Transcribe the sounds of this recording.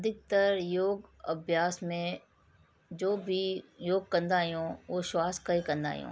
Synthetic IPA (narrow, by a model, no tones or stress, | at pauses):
ɐd̪ʱɪk̚t̪əɾjoːɡɐbʱjaːsmẽ | d͡ʒoːbʱijoːɡ̚kə̃nd̪aːjõːʋoːʃwaːskaikɐ̃nd̪a̰ːjõ̰ː